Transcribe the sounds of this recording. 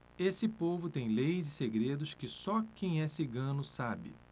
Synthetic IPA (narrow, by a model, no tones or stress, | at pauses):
esɪpovʊt̪ẽj̃lejzɪseɡɾed̪ʊʃkɪsɔkẽj̃ɛsɪɡɐ̃nʊsabɪ̰